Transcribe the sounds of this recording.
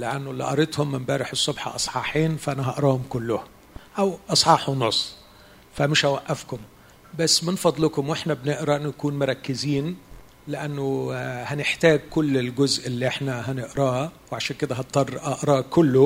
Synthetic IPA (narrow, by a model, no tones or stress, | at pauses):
leʔænːʊlːiʔɑ̰ɾˤet̪hʊmːɪmbæːɾɪħesˤːobħɑ̰ʔɑsˤħɑːħiːnfæʔænæɦɑʔɑɾˤɑːhʊmkʊlːʊh | ʔæwʔɑsˤħɑːħunosˤː | fæmɪʃhæwæʔːæfkʊm | bæsːmɪnfɑd̪ˤlɪkʊmweħnæbnɪʔɾæʔɪnːʊjkuːnmʊɾˤɑkːɪziːn | lɪʔænːʊhænɪħt̪æːɡ̚kʊlːɪlɡʊzʔɪlːiʔeħnæɦænɪʔɾˤɑːwʕaʃæːnkɪd̪æɦɑt̪t̪ˤːɑrˤːʔɑʔɾˤɑːkʊlːʊ